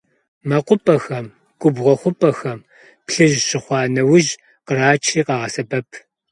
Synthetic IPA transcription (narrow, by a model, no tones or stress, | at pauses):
mɐqʷʊpʼɐxɐm | ɡʷʼʊbʁɐχʷʊpʼɐxɐm | pɬɨʒɕɪχʷɑːnɐwʊʒ | qəɾaːt͡ʃʰiːqɑːʁɐsɐbɐpʰ